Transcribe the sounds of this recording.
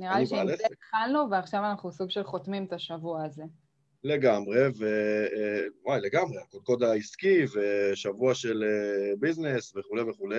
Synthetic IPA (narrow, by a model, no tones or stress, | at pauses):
niʁaliiʃletχalnuveaχʃavanaχnusuɡʃelχo̞t̪mimt̪aʃavuaːze | le̞ɡamʁe̞ve | wajle̞ɡamʁeakod̚ko̞d̪aiskiveʃavuaʃe̞lebiznesve̞χulejveχulej